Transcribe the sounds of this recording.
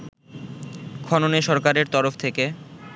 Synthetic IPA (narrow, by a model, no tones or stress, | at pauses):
kʰɔnoneʃɔɾkaɾeɾt̪ɔɾoft̪ʰeke